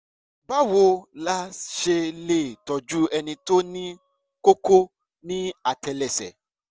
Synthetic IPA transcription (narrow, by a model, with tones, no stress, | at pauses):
ba˦˨wo˧la˦ʃe˧le˦˨tɔ˨d͡ʒu˦ɛ˧nĩ˧to˦nĩ˦ | ko˦ko˦ | nĩ˦a˦˨tɛ˧lɛ˨sɛ̰˨